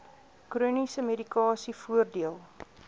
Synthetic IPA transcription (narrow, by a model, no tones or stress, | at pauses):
kruːnisəmedikɑːsifuərdiəlˠ